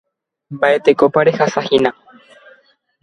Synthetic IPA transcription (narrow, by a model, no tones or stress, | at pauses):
mbaet̪ekopaɾehasahinã